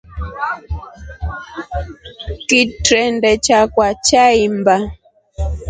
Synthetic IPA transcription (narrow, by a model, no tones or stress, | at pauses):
kitɾɛndɛt͡ʃakwat͡ʃaimba